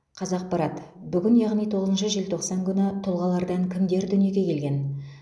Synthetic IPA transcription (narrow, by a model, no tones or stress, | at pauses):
qʰɑzɑq̚pɑɾɑt̪ | bʏɡʲɪnjɑʁnijt̪ʰo̞ʁəzənʃəʒelt̪ʰo̞qsɑŋkʲʰʏnɪt̪ʰʊlˠʁɑlˠɑɾd̪ɑɴkʲʰɪmd̪e̞ɾd̪ʏnije̞ɡʲe̞kʲʰe̞lɡʲe̞n